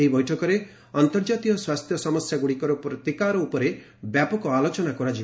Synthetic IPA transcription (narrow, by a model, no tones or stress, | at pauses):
eɦibɔjʈʰɔkɔɾe | ɔnt̪ɔɾd͡ʒat̪iɔswast̪ʰjɔsɔmɔsjaɡuɽikɔɾɔpɾɔt̪ikaɾɔupɔɾe | bjapɔkɔalot͡ʃɔnakɔɾad͡ʒi